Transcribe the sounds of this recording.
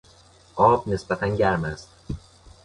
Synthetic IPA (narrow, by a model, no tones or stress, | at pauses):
ʔɒːbne̞sbæt̪ʰænɟæɾmæst̪̚